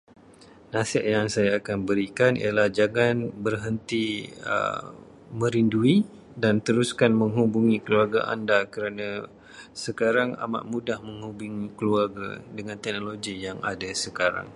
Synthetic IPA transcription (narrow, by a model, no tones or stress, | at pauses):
nasɪʔjaŋsajaːkanbəɾikanḭalahd͡ʒaɡanbərɦənt̪iə̰ | mə̃ɾindui | dant̪əɾuskanməŋɦubuŋikəluarɡa̰ʔa̰ndakəɾanã | səkaɾaŋa̰ma̰ʔmudahmə̃ŋhubuŋikəluarɡa̰dəŋãnt̪ɛk̚noloɡijaŋa̰dasəkaɾa̰ŋ